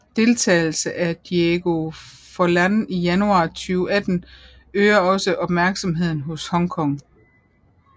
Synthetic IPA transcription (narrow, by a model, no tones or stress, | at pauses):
d̥e̝lt͡sʰɛ̰ːɪl̩səʔæd̥ieɡ̥o̝fɒlænijænuɑ̈ːt͡sʰyːʊæd̥n̩ | øːɐɒ̽səʔɒ̽b̥mæɐɡ̥sɒ̽mɦe̝ð̞̰ˠn̩ɦɔ̽shɒ̽ŋkʰɒ̽ŋ